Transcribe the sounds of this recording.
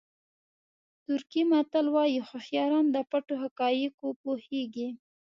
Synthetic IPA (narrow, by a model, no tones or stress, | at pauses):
t̪ʊɾkimat̪əlwɑjixoxjɑɾɑnd̪əpaʈoɦakɑjikopoheɡi